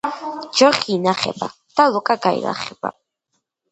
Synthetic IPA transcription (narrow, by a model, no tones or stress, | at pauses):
d͡ʒɔχiːnaχɛ̰ba | d̪̥alɔkʼaɡaḭla̰χɛb̥a̰